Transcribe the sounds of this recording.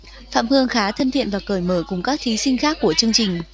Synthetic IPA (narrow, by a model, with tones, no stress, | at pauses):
fa̰ː˧˨mhɨ˧əŋxaː˨˦t̪ʰə˧nt̪ḭ˧˨ənvaː˨˩kəː˧˩jməː˧˩kʊ˨˩ŋ͡mkaː˦˥k̚t̪ʰi˨˦sï˧ŋ̟xaː˦˥kːu˧˩ət͡ɕɨ˧əŋt͡ɕï˨˩ŋ̟